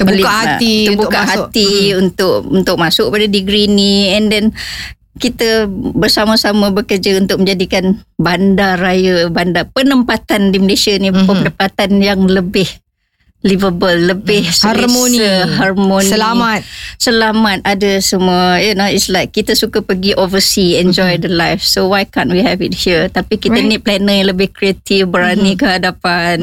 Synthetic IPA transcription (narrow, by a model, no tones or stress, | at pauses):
əbulikahatiəbukkaɦat̪iunt̪ʊkunt̪ʊk̚masʊk̚əpadadiɡɾiniɛndɛn | kit̪əbərsamasamabəkərd͡ʒaunt̪ʊk̚mə̃ɲd͡ʒadikanbandarajabandapənəmpat̪andimlesaniəpənəpat̪anjaŋləbɪh | livəbəlːəbɪhsamosniəɦarmosnəilamat̪̚səlamat̪̚adasəmuajanoitslajkːit̪asukapəɡiʔovəsiɛnd͡ʒɔjdəlajfsowajkanwiɦɛvit̚hiət̪apikit̪ənit̚plɛnəjaləbɪhkɾiet̪ifbəɾanikəɦadapan